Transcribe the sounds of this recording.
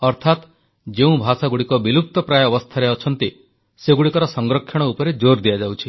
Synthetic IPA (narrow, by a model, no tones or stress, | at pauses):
ɔɾt̪ʰat̪ | d͡ʒeũbʱasaɡuɽikɔbiluk̚t̪ɔpɾajɔɔbɔst̪ʰaɾeɔt͡ʃʰɔnt̪i | seɡuɽikɔɾɔsɔŋɡɾɔkʰːjɔɽ̃ɔupɔɾed͡ʒoɾd̪ijad͡ʒawt͡ʃʰi